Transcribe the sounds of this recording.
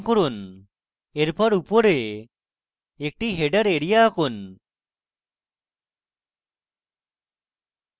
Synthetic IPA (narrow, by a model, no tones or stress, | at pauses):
kɔɾun | eɾpɔɾupɔɾe | ek̚ʈiɦeɖəɾeɽijakon